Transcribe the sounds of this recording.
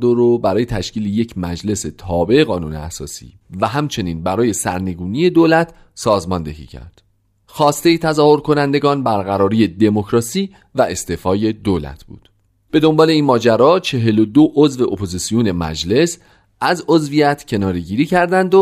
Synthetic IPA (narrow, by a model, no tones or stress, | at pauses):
d̪oɾobæɾɒːje̞t̪ʰæʃciːleje̞cʰmæd͡ʒle̞se̞t̪ʰɒːbe̞eɣɒːnuːnḛæ̰sɒ̰ːsḭ | væɦæmt͡ʃʰe̞niːnbæɾɒːje̞sæ̰ɾne̞ɡuːnije̞d̪olæt̪ʰ | sɒːzmɒnd̪e̞ɦḭːcʰæ̰ɾd̪̥ | xɒːst̪e̞jet̪ʰæzɒːho̞ɾkʰo̞nænd̪e̞ɡɒːnbæɾɣæɾɒːɾiːje̞d̪e̞mo̞cɾɒːsiː | væe̞st̪efɒːje̞d̪olæ̰t̪ʰb̥ṵːd̪̥ | b̥e̞d̪o̞mbɒːle̞iːnmɒːd͡ʒæɾɒːt͡ʃʰe̞ɦe̞lod̪oʔozve̞ʔopʰo̞zisijone̞mæ̰d͡ʒle̞s | æzo̞zvijæt̪ʰcʰe̞nɒːɾe̞ɟiːɾiːcʰæɾd̪ænd̪o